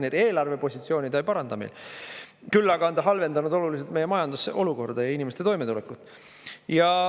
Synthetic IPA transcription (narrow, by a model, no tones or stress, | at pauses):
ned̪e̞ːlɑrve̞po̞sʲit̪sio̞ːnʲid̪ɑjpɑɾɑnd̪̥ɑmḛl | kylːɑɡɑɑnd̪ɑɦɑlve̞nd̪ɑnud̪̥o̞lulis̬et̪me̞je̞mɑjɑnd̪useʔo̞luko̞rd̪̥ɑjɑinʲimest̪e̞t̪o̞jme̞t̪ulekːˑut̪ːˑ | jɑ